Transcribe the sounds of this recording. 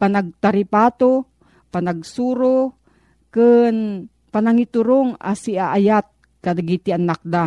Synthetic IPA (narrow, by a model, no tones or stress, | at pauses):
panaɡ̚t̪aɾɪpaːt̪o | panaɡsuːɾo | kɨn | panaŋit̪ʊɾoŋa̰siaʔajat̪̚ | kad̪aɡit̪ɪanak̚d̪a